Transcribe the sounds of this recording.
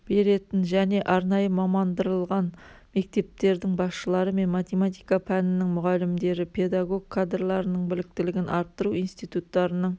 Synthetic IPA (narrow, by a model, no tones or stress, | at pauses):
b̥e̞ɾe̞t̪ɪnʒæne̞ʔɑɾnɑjəmɑmɑnd̪əɾəlˠʁɑn | me̞k̚t̪e̞p̚t̪e̞ɾd̪ɪŋbɑsʃəlˠɑɾəme̞nmat̪ʲe̞mat̪ijkapʰænɪnɪŋmʊʁɑlɪmd̪e̞ɾɪpʰe̞d̪aɡo̞ɡ̚kʰːad̪rlˠɑɾənəɴbɪlɪk̚t̪ɪlɪɡʲɪnʔɑɾt̪ːəɾuinst̪ijt̪ut̪ːɑɾənəɴ